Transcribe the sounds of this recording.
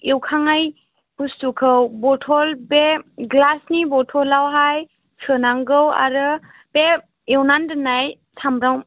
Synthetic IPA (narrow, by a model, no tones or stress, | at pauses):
ewkʰaŋaj | pustukʰɯwbɔtʰɔlpeɡlasnibɔtʰɔlːawɦaj | sʰɯnaŋɡɯwa̰ɾɯ | pe | ewnandɯnaj | tʰamɾaw